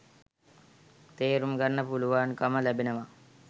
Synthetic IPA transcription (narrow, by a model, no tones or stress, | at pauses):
t̪eːɾumkɐnːɐpuluʋaːnkɐmɐlæbinɐʋɐ